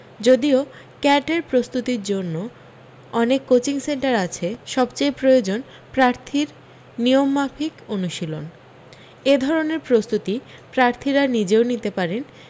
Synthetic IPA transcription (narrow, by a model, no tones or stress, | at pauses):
d͡ʑod̪io | kɛʈeɾpɾost̪ut̪iɾd͡ʑonːo | ɔnekːot͡ɕiŋseɳʈaɾat͡ɕʰeʃɔbt͡ɕejpɾojod͡ʑon | pɾaɾt̪ʰiɾ | niomːapʰikonuʃilon | ed̪ʱɔɾoneɾpɾost̪ut̪ipɾaɾt̪ʰiɾanid͡ʑeonit̪epaɾen